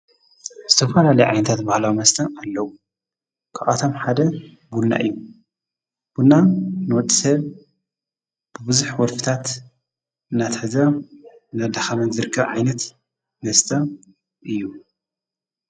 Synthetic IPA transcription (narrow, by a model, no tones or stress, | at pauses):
z̥ɨt̪ʰɐfɐlalɐjʕa̰jnɐt̪ʰat̪bahlawmɐst̪ʰɐalːɐwu | kʰaʔat̪ʰo̞mħad̪ɐ | bulna̰ʔɨ̰jːu | b̥ulnanwɔd̪ʼisɐβ | b̥ɨbɨzuħwɔlfɨ̥t̪ʰat̪ | ɨnːat̪ħɨzɐ | nad̪axamɐnzɨɾɨkʰːɐβʕajnɐt̪ | mɐst̪ʰɐ | ʔɨjːu